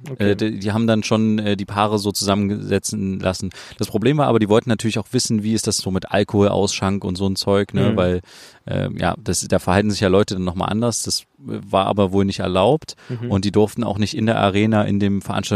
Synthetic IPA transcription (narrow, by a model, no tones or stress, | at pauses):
ʔɛːddiːhaːbm̩danʃoːnʔɛːdiːpʰaːʁəzoːt͡suzamənɡəzɛt͡sn̩lʔasn̩d̥aspʁ̥obleːmvaːɐaːbɐdiːvɔltn̩nːatʰyːɐlɪçaʊxv̥ɪsn̩viːɪstd̥asz̥oːmɪtʔa̰lkohoːlʔa̰ʊsʃaŋkʊntz̥oːnt͡sɔʏknəvaɪlʔɛ̰ːja̰ːd̥asd̥aːfɛɐhaltn̩zɪçjaːlɔʏtədanːɔχma̰ːlʔa̰ndɐsd̥as | vaːɐʔa̰ːbɐvoːlnɪçtɛ̰ɐlaʊptʔʊntd̥iːdʊɐftn̩a̰ʊxnɪçtɪndeːɐʔa̰ʁ̞eːnaʔɪ̰ndeːmfɛɐʔa̰nʃta